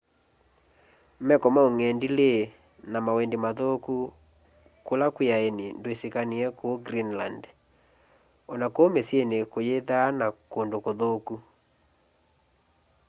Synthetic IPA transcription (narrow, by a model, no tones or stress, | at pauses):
mɛkɔmaoŋɛndile | namawɛndemaðoku | kolakwejaenindoesekaniɛkooɡɾinland | ɔnakoomesienekojeðanakondokoðoku